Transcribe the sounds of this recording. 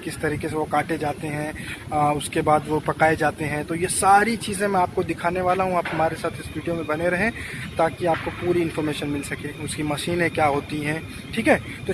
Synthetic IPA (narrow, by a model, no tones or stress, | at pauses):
kɪst̪ɐɾiːkeseʋokaːʈed͡ʒaːt̪eɦɛ̃ʊskebaːd̪ʋopɐkaːed͡ʒaːt̪eɦɛ̃t̪ojesaːɾit͡ʃiːzẽmɛ̃aːp̚kod̪ɪkʰaːneʋaːlaɦũaːpɦɐmaːɾesaːt̪ʰɪsʋiːɖijomẽbɐneɾɐɦẽt̪aːkiaːp̚kopuːɾiɪ̃nfɔɾmeːʃənmɪlsɐkeʊskimɐʃiːnɦẽkjaːɦoːt̪iɦɛ̃ː | ʈʰiːkɦɛː | t̪o